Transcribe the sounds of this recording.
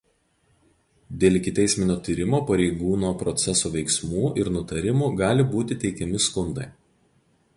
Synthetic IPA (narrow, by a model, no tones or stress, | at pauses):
d̪ʲeːlˠʲɪkʲɪt̪ʲɛɪsʲmʲɪnʲoːt̪ʲiːɾʲɪmoːpɐɾʲɛɪɡuːnoːpɾɔt̪sʲɛsoːʋʲɛɪksmuːʔɪɾnʊt̪ɐɾʲɪmuːɡɑːlʲɪbuːt̪ʲɪt̪ʲɛɪkʲɛmʲɪskʊnd̪ɐɪ